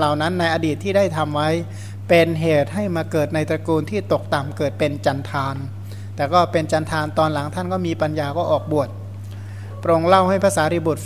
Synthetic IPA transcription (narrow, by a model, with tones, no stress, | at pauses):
la˨˩wna˦˥nːa˧jʔaː˧diː˨˩t̪ʰːiː˥˩daː˥˩jt̪ʰa˧mwa˦˥j | pe˧nɦeː˨˩t̪̚ha˥˩jmaː˧kɤː˨˩t̪̚na˧jt̪ɾa˧kuː˧nt̪ʰiː˥˩t̪o˨˩k̚t̪a˨˩mkɤː˨˩t̪̚pe˧nt͡ɕa˧nt̪ʰaː˧n | t̪ɛː˨˩kɔː˥˩pe˧nt͡ɕa˧nt̪ʰaː˧nt̪ɔː˧nla˩˦ŋt̪ʰa˥˩nkɔː˥˩miː˧pa˧njaː˧kɔː˥˩ʔɔː˨˩k̚bu˨˩ət̪̚ | pɾo˧ŋla˥˩wha˥˩jpʰaː˧˥saː˩˦˥ɾi˧˩bu˨˩t̪̚